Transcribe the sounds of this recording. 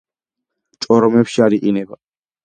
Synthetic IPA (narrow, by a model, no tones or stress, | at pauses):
t͡ʃʼɔɾɔmɛpʃiaɾiqʼinɛba